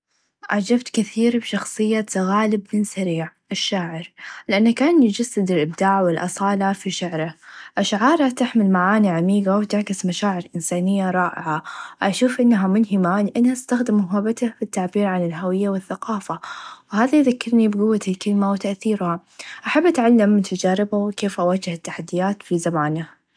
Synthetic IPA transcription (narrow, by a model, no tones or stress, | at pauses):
ʔaʕd͡ʒabt̪kɪθiːɾbʃɑxsˤɨjːasaɣaːlɪbmɪnsaɾiːʕʔaʃːaːʕɪɾlɪʔanːakaːnjɪd͡ʒasːɪd̪ɪlʔɪb̚d̪aːʕwɪlʔɑsˤɑːlafiʃaʕɾaʔaʃʕɑːɾˤhat̪ɪħmɪlmaʕaːniʕamiːɡawɪt̪ɪʕkɪsmaʃaːʕɪɾʔɪnsaːnɪjːaɾˤɑːʔɪ̰ʕaʔaʃuːfʔɪnːaɦamʊnɦɪmalɪʔanːhaɪst̪axd̪ɪmmʊɦabat̪afit̪ːaʕbiːɾʕanɪlɦawɪjːawɪθːaqɑːfawhaːðajðakːɪɾnibɪɡʊwːat̪ɪlkɪlmawɪt̪aʔθiːɾha | ʔaħabːʔat̪ʕalːɪmːt̪ʰad͡ʒaːɾɪbawkeːfʔawaːd͡ʒɪhɪt̪ːaħad̪ːɪjaːt̪fizamaːnah